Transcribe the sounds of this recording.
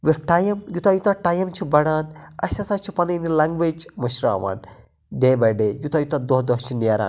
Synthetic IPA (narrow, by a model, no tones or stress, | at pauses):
ʋiʈɐjɐmjut̪ajut̪ɐʈɐjɐmt͡ʃʰibɐɽaːnɐ̰ʃɐsat͡ʃʰipɐnɐnilɐŋɡʋet͡ʃmɐʃɾa̰ːʋa̰ːn | d̪eːbɐɖeːjut̪ɐjut̪ad̪oɦd̪oɦt͡ʃʰineːɾa̰ːn